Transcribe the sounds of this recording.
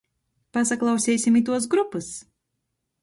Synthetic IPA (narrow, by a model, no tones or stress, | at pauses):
pas̬aklˠawsʲɛːjsʲimit̪̬uɔs̬ɡɾupɨs